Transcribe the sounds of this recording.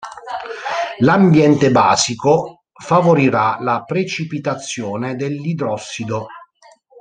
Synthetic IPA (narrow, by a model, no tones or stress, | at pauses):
lambjɛnt̪eba̰ːziko | favoɾiɾalapɾet͡ʃipit̪at̪sːjɔːned̪elːid̪ɾɔsːid̪o